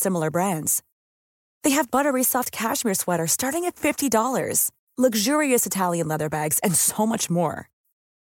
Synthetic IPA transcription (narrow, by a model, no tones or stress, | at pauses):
sɪ̃ml̩ˠə˞bɹæ̃ndz̥ | ðeɪɨvbʌɾə˞ɹisɑf̚kʰæʃmiɹswɛɾə˞stɑɹɾɪ̃ŋɨtfɪftidɔlˠə̰˞z̥ | lʌɡʒʊɹiɨsɨtʰælˠjɨ̃nlɛðə˞bæɡz̥ɨ̃nsoʊmʌt͡ʃmɔ̰ɹ